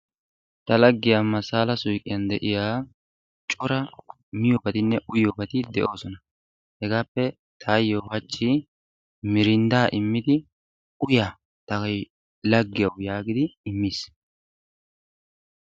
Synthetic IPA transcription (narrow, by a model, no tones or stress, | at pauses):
t̪ɐlɐɡːɪjaːmːɐsaːlɐsʊjkʼːɪjɐnd̪ɛʔɪjaː | t͡ʃʼɔɾɐ | mɪjoːbɐt̪ɪnːɛʔʊjoːbɐt̪ɪd̪ɛʔo̞ːsɔnɐ | hɛɡaːpːɛ | t̪ʰaːjːoːhɐt͡ʃʼːi | mɪɾɪnd̪aːʔɪmːɪd̪ɪ | ʊjaː | t̪ɐɡj | lɐɡːɪjɐwjaːɡɪd̪ɪɪmːiːs